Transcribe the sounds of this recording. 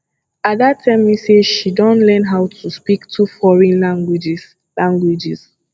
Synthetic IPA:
at̚datʰːɛmiseʃidɔ̃ntlɛ̃nɦaʊtʰuspiktʰufɔɹɛ̃nlaŋɡwd͡ʒ | lãŋɡwid͡ʒis

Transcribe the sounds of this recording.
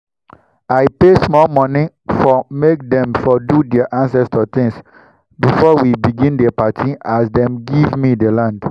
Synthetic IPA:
aɪpesmɔlmɔ̃ni | fɔmek̚dɛ̃mfɔdudɛaʔãnsɛstɔt̪ĩŋs | bifɔwibiɡĩndɛpatʰĩasdɛ̃mɡivmidelãnd

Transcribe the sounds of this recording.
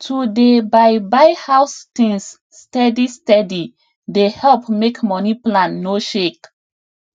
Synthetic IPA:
tʰudebajbajhawstĩŋsː | tɛdistɛdi | dehɛlpmekmɔniplãnːoʃek

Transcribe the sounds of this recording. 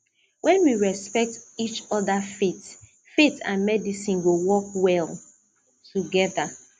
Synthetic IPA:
wʔɛ̃nwiɹɛspɛk̚tit͡ʃɔðafet | fetã̰nmɛdisĩnɡowɔkwɛlˠ | tuɡɛða

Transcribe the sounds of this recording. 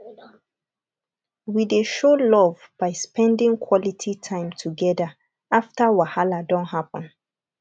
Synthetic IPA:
wideʃolɔvb̥aɪspɛ̃ndĩŋkʰwɔlitʰitʰãɪ̃mtʰuɡɛda | aftəwahaladɔ̃nthapə̃n

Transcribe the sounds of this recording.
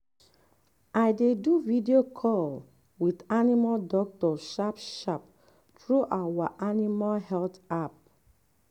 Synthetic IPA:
aɪdeduvidiokʰɔl | witanimaldɔk̚tɔʃapʃap̚ | tɹuʔawaʔanimalɦɛltap̚

